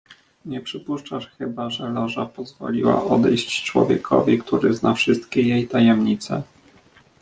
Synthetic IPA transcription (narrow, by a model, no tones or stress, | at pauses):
ɲɛpʂɘpuʂt͡ʂaʂxɘbaʐɛlaʐapɔzvɔ̰lʲiwa̰ʔɔd̪ɛjɕt͡ɕt͡ʂwɔ̰vʲjɛkʰɔvʲikt̪uɾɘznafʂɘst̪kʲɛjejt̪ajɛmɲit̪sɛ